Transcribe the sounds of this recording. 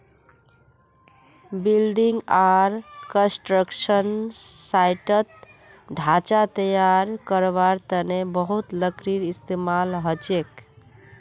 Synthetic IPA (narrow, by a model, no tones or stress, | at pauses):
bilɖiŋɡaɾkə̃sʈɾəkʃənsajʈət̪̚ | ɖʱat͡ʃat̪əjaɾkəɾbaɾt̪ənebəɦut̪ləkɾiɾist̪emalɦət͡ʃek